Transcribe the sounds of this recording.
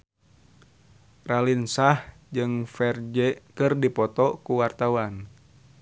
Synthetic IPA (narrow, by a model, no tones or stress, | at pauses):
ralinsah | d͡ʒɨŋfɛrd͡ʒɛkɨrdipɔt̪ɔkuwart̪awan